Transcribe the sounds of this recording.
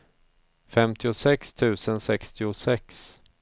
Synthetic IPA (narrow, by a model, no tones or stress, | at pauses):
fɛmt̪ʰɪʊsɛkst̪ʰʉ̟ːsənsɛkst̪ɪʊsɛks